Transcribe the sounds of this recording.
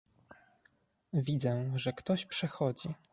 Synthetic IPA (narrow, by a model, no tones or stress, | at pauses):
vʲid̪zɛʐɛkt̪ɔɕpʂɛxɔd͡ʑi